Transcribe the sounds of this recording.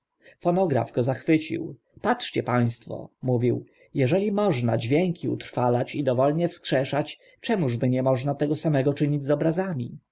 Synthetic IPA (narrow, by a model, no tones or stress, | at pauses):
fɔnɔɡɾa̰fɡ̥ɔzaxfɘt͡ɕḭw | patʂt͡ɕɛpaj̃st̪fɔ̰muvʲiw | jɛʐɛlʲimɔʐnad͡ʑvʲjɛŋkʲʰiṵt̪ɾfalat͡ɕid̪ɔvɔlɲɛfskʂɛʂat͡ɕ | t͡ʂɛmuʐbɘɲɛmɔʐnat̪ɛɡɔsamɛɡɔt͡ʂɘɲid͡ʑzɔbɾazamʲi